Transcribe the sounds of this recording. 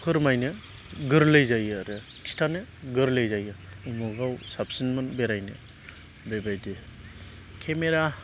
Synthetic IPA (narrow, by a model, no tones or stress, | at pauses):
kʰɯɾmajnɯ | ɡɯɾlɯjzajɯɾɯ | kʰi̥stʰanɯɡɯɾlejzajɯumɯɡawsap̚sinmɯnbeɾajnɯ̰ | bebajdi | kʰemeɾa